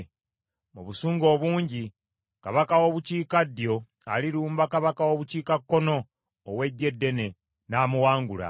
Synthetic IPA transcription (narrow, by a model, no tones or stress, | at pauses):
muβusuːŋɡo̞ːβuːɲɟi | kaβakawo̞βuciːkadːjo̞ | aliɾuːmbakaβakawo̞βuciːkakːo̞no̞ː | we̞ɟːe̞dːe̞ne̞ | naːmuwaːŋɡula̰